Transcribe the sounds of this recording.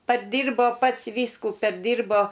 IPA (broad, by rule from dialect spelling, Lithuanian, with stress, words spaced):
pɐrʲˈdʲiːrboː ˈpɐts ˈʋʲiːskuː pʲɛrʲˈdʲiːrboː